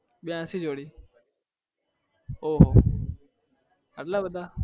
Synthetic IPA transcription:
ɓɪjãːsiːd͡ʒoːɽiː | oːɦoː | əʈlaːbəd̪aː

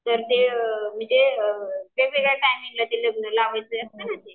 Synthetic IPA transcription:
t̪əɾt̪emiːt̪eəʋekʋeɡɭeʈajmiŋlat̪eləɡnəlaʋajt͡səəst̪ənat̪e

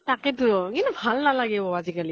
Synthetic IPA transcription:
takɛtuŋinbʱalnalaɡɛbɔwazikali

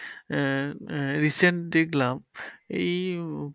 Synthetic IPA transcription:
ɹisɛntdeklamej

